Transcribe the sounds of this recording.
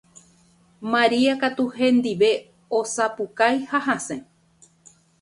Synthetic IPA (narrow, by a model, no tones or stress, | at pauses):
maɾiakat̪uhẽ̞nd̪iʋe̞ | osapukajhaɦãsẽ